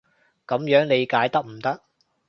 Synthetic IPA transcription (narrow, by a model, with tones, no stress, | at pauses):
kɐ˨˥mjœː˨˥ŋle˨˧jkaː˨˥jt̪ɐ˥k̚m̩˨˩t̪ɐ˥k̚